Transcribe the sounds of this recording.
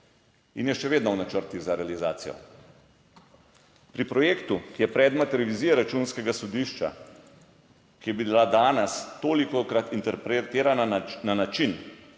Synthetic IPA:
injɛʃɛʋeːd̪nɔwnat͡ʃəɾt̪iɣzaɾɛalizaːt̪sijɔ̰ | pɾipɾɔjeːkt̪ukijɛpɾɛːd̪mat̪ɛlɛʋiziːjaɾat͡ʃuːnskɛɡasɔd̪iʃt͡ʃa̰ | kijɛbilad̪aːnɛst̪oːlikɔkɾat̪int̪ɛɾpɾet̪eːɾanananat͡ʃin

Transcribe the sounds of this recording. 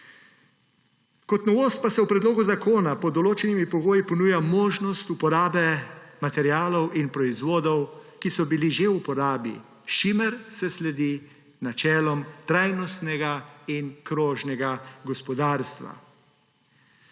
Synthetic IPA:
kɔt̪nɔʋoːst̪̚pasɛwpɾɛd̪loːɡuzakʰoːnapɔd̪ɔloːt͡ʃɛnimipɔɡoːjipɔnuːjamoːʒnɔst̪upɔɾaːbɛmat̪ɛɾjaːlɔwʔinpɾɔizʋoːd̪ɔwkisɔbiliʒeupɔɾaːbḭ | ʃiməɾsɛslɛd̪i | nat͡ʃɛːlɔmt̪ɾajnɔst̪nɛɡainkɾoːʒnɛɡaɡɔspɔd̪aːɾst̪ʋa̰

